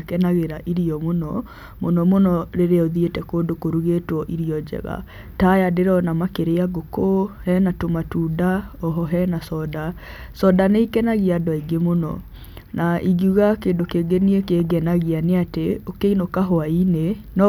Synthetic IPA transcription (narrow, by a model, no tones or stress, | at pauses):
akɛnaɣeɾaʔiɾiɔmonɔ | monɔmonɔɾeɾeɔðietɛkoːndokoɾuɣetwɔʔiɾiɔd͡ʒɛ̰ɣa̰ | tajadeɾɔnamakeɾeaɡokohɛnatomatuːdaɔɦɔɦɛnasɔda | sɔdaneikɛnaɣiadwaiɡemonɔ̰ | nʔaʔiɣiuɣakeːndokeːɡeniekeɡɛnaɣianeateokeinokaɦɔainenɔ